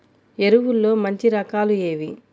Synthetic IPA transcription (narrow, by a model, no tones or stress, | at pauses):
e̞ɾuʋulːo̞ːmɐɲt͡ʃiɾɐkaːlue̞ːʋi